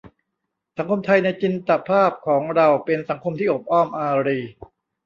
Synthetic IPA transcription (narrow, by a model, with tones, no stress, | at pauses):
sa˩˦ŋkʰo˧mt̪ʰa˧jna˧jt͡ɕi˧nt̪a˨˩pʰaː˥˩p̚kʰɔː˩˦ŋɾa˧wpe˧nsa˩˦ŋkʰo˧mt̪ʰiː˥˩ʔo˨˩p̚ʔɔː˥˩mʔaː˧ɾiː˧